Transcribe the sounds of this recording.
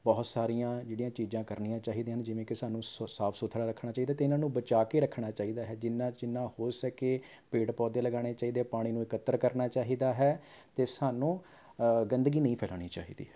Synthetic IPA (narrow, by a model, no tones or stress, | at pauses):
bɔːt̪saːɾijãːd͡ʒeːɽijãːt͡ʃiːd͡ʒãːkəɾnijãːt͡ʃaːɦiːd̪eːɦənd͡ʒɪʋẽːkɪsaːnũːsaːpʰsot̪ʰɽaːɾəkʰnaːt͡ʃaːiːd̪aːt̪eɪnãːnũːbət͡ʃaːkeːɾəkʰːɳ̃aːt͡ʃaːɦiːd̪aːɦɛːd͡ʒɪnːãːd͡ʒɪnːãːhoːɾsəkeː | peːʈpɔːd̪eːləɡaːɽ̃eːt͡ʃaːiːd̪eɛpaːɽ̃iːnũːɪkət̪ːəɾkəɾnaːt͡ʃaːɦiːd̪aːɦɛːt̪eːsaːnũː | ɡənd̪əɡiːnəĩːpʰɛːla̰ːɽ̃iːt͡ʃa̰ːɦḭːd̪ḭːɛː